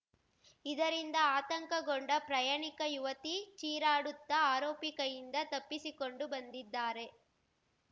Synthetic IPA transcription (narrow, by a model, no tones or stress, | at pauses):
id̪ɐɾind̪ɐaːt̪ɐŋkɐɡoɳɖɐpɾɐjaːɳikɐjuʋɐt̪it͡ʃiːɾaːɽut̪ːɐaːɾoːpikɐjind̪ɐt̪ɐpːisikoɳɖubɐnd̪id̪ːaːɾe̞